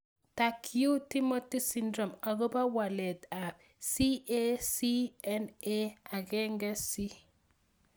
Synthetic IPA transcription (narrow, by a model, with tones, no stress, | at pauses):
ta˨kʰiju˦ti˦mo˦ti˦si˦ndɾo˨ma˨ɡo˦ba˦wa˨lɛ˨da˨b | si˦e˦si˦ɛ˦ne˦a˨ɡɛ˦ŋɡɛ˦si˦